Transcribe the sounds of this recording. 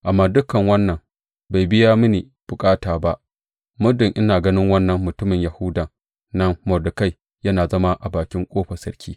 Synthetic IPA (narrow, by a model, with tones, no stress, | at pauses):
ʔa˨mːaː˦dʊ˦kɐ˨ŋwɐ˦nːɐ˨m | ba˨jbɪ˦jaː˦mʊ˦niː˨ | b̥ʊ˨kʼaː˦taː˨ba˦ʔ | mʊ˦dɪ˨ŋʔɪ˦naː˨ɡɐ˦nɪ˦ŋwɐ˦nːɐ˨mːʊ˨tʊ˦mɪ˨ɲjɐ˨hʊ˦da˨ | nɐ˦mmɐ˨dʊ˨ka˦˨j | jɐ˦naː˨zɐ˦ma˦ʔa˨baː˨kʲɪ˦ŋkʷʼoː˦ɸɐ˨sɐ˦ɽkʲʰiː˦